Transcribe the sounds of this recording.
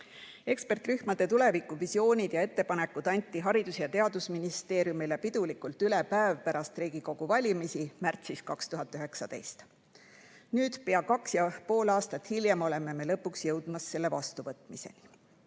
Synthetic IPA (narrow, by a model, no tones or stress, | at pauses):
e̞kspe̞rt̪ryhmɑd̪̥e̞t̪ule̞vikːˑuvisio̞ːnʲid̪̥jɑe̞t̪ːe̞pɑne̞kːˑud̪̥ɑnʲt̪ːˑiɦɑɾid̪̥usjɑt̪e̞ɑd̪usminist̪e̞ːɾjumilepid̪̥ulikult̪ˑylepæevpæɾɑst̪riːɡ̥iko̞ɡ̥uvɑlʲimisimært̪siskɑkst̪uɦɑt̪ːˑyɦe̞ksɑd̪̥e̞̰jst̪ | nyːd̪̥peɑkɑksjɑpo̞ːlɑːst̪ɑt̪ˑhiljemo̞le̞me̞me̞lɤ̞pːˑuksjɤwd̪̥mɑsːe̞lːe̞vɑ̰st̪uvɤt̪ːˑmise̞̰ni